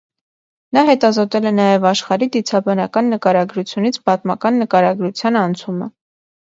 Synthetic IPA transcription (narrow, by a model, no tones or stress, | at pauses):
nɑɦɛt̪ɑzɔt̪ɛlɛnɑjɛvɑʃχɑɾid̪it͡sʰɑbɑnɑkɑnːəkɑɾɑɡɾut͡sʰjunit͡sʰbɑt̪mɑkɑnːəkɑɾɑɡɾut͡sʰjɑnɑnt͡sʰumə̰